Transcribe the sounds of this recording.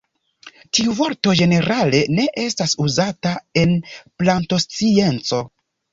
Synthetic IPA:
tiuvo̞ɾto̞ʒe̞ne̞ɾale̞ne̞ʔe̞stasuzatae̞nplanto̞st͡sie̞nt͡so̞

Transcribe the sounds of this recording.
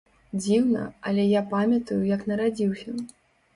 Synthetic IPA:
d͡zʲiwnɐ̰ɐlʲɛjapamʲɐt̪ujujɐknɐɾad͡zʲiwsʲɐ

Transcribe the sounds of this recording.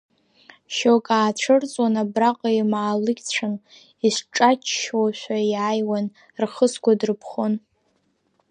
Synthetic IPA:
ʃokʼaːt͡ɕʷʰɨrt͡sʼwanabraqʼaimaːlɨɡʲt͡ɕʷʰan | isʷʈ͡ʂʼat͡ʃʰʃwaʃʷᶣajaːjwan | rχəskʷadrɨpʰχon

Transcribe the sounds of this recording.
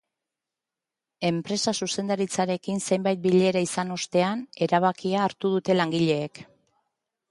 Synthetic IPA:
e̞mpɾe̞sasuse̞nd̪aɾit͡saɾe̞kinse̞jmbajt̪̚biʎe̞ɾaisano̞st̪e̞ane̞ɾaβ̞akiaːɾt̪uð̞ut̪e̞laŋɡiʎe̞ːk

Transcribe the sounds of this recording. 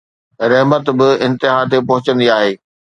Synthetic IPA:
ɾɐɦmət̪bɪɪ̃nt̪ɪɦaːt̪̬epɐɦʊt͡ɕə̃nd̪iaːɦeː

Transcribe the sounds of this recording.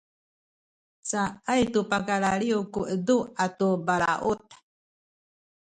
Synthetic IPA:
t͡saajt̪upakaɾaɾiukuʔəd̪uat̪ubaɾaʔut̪ḁ

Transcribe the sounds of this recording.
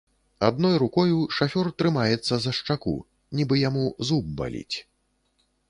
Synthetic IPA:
a̰d̪̚nɔjɾukɔjuʂafʲɔrt̪ɾɨmajɛt̪sːɐzɐʂt͡ʂakṵ | nʲibɨjamuzub̚ːa̰lʲḭt͡sʲ

